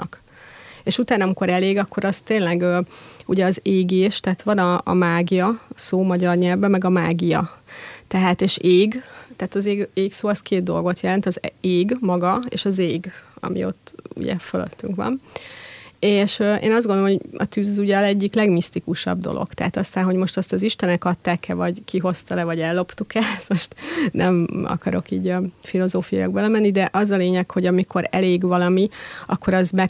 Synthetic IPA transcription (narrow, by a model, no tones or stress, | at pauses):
nɒk | eːʃut̪aːnɒmiko̞ɾɛleːɡɒkʰːo̞ɾɒst̪eːnlɛɡøːuɟɛɒzeːɡeːʃt̪ɛɦːt̪ʋɒnɒ̰ːmaːɡijɒsoːmɒɟɒrɲɛlvbɛmːɛɡɒmaːɡijɒ̰t̪ɛɦaːt̪eːʃeːɡt̪ɛːt̪ɒzeːɡeːksoːɒskeːd̪̚d̪o̞̰lɡo̞t̪jɛlɛnt̪ɒzeːɡmɒɡɒḛːʃɒzeːɡɒ̰mḭo̞̰t̪ːṵɟɛ̰følø̰t̪ʰːyŋkʋɒ̰m | eːʃøʔḛːnɒzd̪ɡo̞nd̪olomoɒ̰t̪yːzzuɟɒlɛɟːiklɛɡmist̪ikuʃɒ̰bd̪o̞̰lʔo̰kt̪ɛɦat̪ɒst̪aːnɦo̞ɟmo̞ʃt̪ɒst̪ɒziʃt̪ɛnɛkɒt̪ːaːkːɛvɒɟkiɦo̞st̪ɒlɛvɒɟɛlːo̞pt̪ukɛmoʃt̪nʔɛmɒ̰kɒɾo̞kiːɟɒfilo̞zoːfijɑ̰joɡ̚bɛlɛmɛnːid̪ɛʔɒzɒleːɲɛkho̞ɟɒmiko̞ɾɛ̰leːɡʋɒlɒmiʔɒkːo̞ɾɒzmɛk